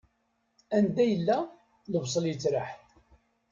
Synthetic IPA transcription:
ænd̪æjəlːæ | ləvsˤəljət͡sːɾəħθ

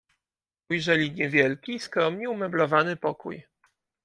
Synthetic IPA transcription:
ujʐɛlʲiɲɛvʲjɛlkʲiskɾɔmɲɛumɛblɔvanɘpɔkṵj

